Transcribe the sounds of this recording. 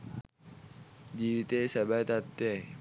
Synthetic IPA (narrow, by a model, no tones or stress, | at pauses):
d͡ʒiit̪esabat̪at̪ːe